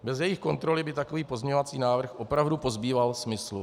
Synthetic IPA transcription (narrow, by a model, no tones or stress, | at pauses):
bɛzjɛjɪxko̞nt̪ɾo̞lɪbɪt̪ako̞viːpo̞zmɲɛɲovat͡siːnaːvr̩xʔo̞pɾavdupo̞zbiːvalsmɪslu